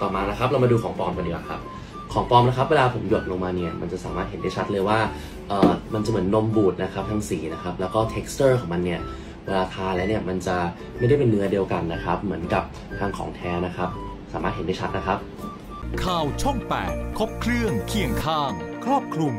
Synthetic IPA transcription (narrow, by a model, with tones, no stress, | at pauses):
t̪ɔː˨˩maː˧na˦˥kʰa˦˥p̚ɾa˦˥ma˧duː˧kʰɔː˩˦ŋpɔː˧mka˧ndi˧˩wʔa˨˩kʰa̰˦˥p̚ | kʰɔː˩˦ŋpɔː˧mna˦˥kʰa˦˥p̚weː˧laː˧pʰo˩˦mjo˨˩t̪̚lo˧ŋmaː˧ni˥˩ɐma̰˧nt͡ɕa˨˩saː˨˦maː˥˩t̪̚he˨˩˦ndaː˥˩jt͡ɕʰa˦˥t̪̚lɤː˧jwaː˥˩ | ʔɤː˨˩ma˧nt͡ɕa˨˩mɯ˩˦ənːo˧mbuː˨˩t̪̚na˦˥kʰa˦˥p̚t̪ʰaː˧˥ŋsiː˩˦na˦˥kʰa˦˥p̚lɛː˦˥wkɔː˥˩t̪ʰe˦˥k̚st̪ɤː˥˩kʰɔː˩˦ma˧nːi˥˩ɐ | weː˧laː˧t̪ʰaː˧lɛː˦˥wni˥˩ɐma˧nt͡ɕa˨˩ | ma˥˩jda˥˩jpe˧nːɯ˦˥ɐdi˧əwka˧nːa˦˥kʰa˦˥p̚mɯ˩˦ənka˨˩p̚ | t̪ʰaː˧ŋkʰɔ̰ː˩˦ŋt̪ʰɛː˦˥na˦˥kʰa˦˥p̚ | saː˨˦maː˥t̪̚he˨˦da˥˩t͡ɕʰa˦˥t̪̚na˦˥kʰa˦˥p̚ | kʰaː˨˧˩wt͡ɕʰo˥˩ŋpɛ̰ː˨˩t̪̚kʰo˦˥p̚kʰɾɯ˥˩əŋkʰi˨˩əŋkʰaː˧˩ŋkʰɾɔː˥˩p̚kʰlu˧m